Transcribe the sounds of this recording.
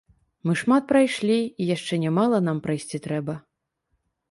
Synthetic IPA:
mɨʂmat̪̚pɾajʂlʲiijaʂt͡ʂɛnʲɛmalˠɐnampɾajsʲt͡sʲit̪ɾɛbɐ

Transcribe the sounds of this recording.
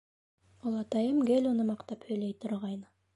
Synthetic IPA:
ulˠɑt̪ɑjɤmɡelʲunɤmɑqt̪ɑphɵ̆jlejt̪ʰŏɾʁɑjn

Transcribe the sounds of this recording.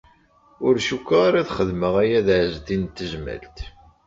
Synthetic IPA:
ʊɾʃukʷːaaɾaðχəðməʁæjæðʕzd̪int̪ːəʒmæ̰lt̪

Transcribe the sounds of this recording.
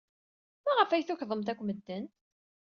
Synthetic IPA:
mæʁəfæjθuçðˤəmt̪ækʷːməd̪ːən

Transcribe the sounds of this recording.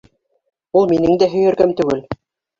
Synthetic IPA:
ulˠminɘŋd̪æɦɵ̆jæ̆ɾɡæmt̪ɵ̆ɡɘl

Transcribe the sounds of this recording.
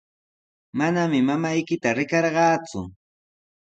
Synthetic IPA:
manamɪmamajkɪt̪aɾɪkɑɾɢɑːt͡sʊ̰

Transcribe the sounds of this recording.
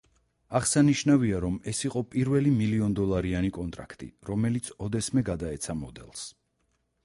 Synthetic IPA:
aʁsaniʃnaviaɾɔmɛsiqʼɔpʼiɾvɛlimiliɔnd̪ɔlˠaɾianikʼɔnt̪ʼɾa̰kʰt̪ʼḭɾɔmɛlit̪sʰɔd̪ɛsmɛɡad̪aɛt̪sʰamɔd̪ɛ̰lˠs

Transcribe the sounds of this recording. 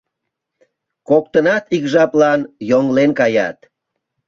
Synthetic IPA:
kokt̪ənɑt̪ikʒɑplɑnjoŋlenkɑjɑ̰t̪

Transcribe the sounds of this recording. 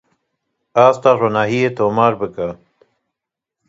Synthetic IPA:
aːst̪aːɾonaːɦijet̪oːmaːɾbəka

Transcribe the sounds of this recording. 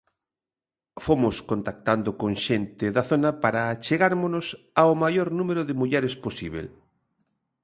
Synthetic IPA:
fomʊskont̪ak̚t̪and̪okõŋʃent̪ɪðaθonɐpaɾaːt͡ʃeɣaɾmonʊs | aomajoɾnũmeɾʊðɪmuʎɛɾesposiβ̞ḛl

